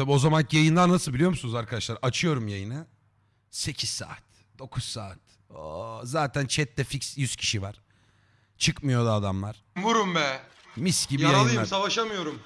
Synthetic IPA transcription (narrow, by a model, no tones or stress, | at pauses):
t̪ʰabio̞zamanjajɯnd̪anːasɯlˠbilʲijo̞ɾmusunuzaɾkʰad̪aʃlˠaɾʔat͡ʃʰɯjo̞ɾumjajɯnɯ | se̞cʰiz̥sa̰ːt̪̚ | d̪̥o̞kʰussaːt̪ | ozaːt̪ʰænt͡ʃʰɛt̪ːɛficsjyz̥cʰi̥ʃivaɾ̥ | t͡ʃʰɯkmɯjo̞d̪aːd̪amlˠaɾ̥vuɾumbɛ | misɟibijajɯnˠamasavaʃamɯjo̞ɾum